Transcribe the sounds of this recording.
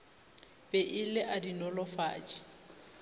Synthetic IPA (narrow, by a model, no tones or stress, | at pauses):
pʼɛʔɪlɪʔadinɔlɔfa̰ːt͡ʃʼɪ̥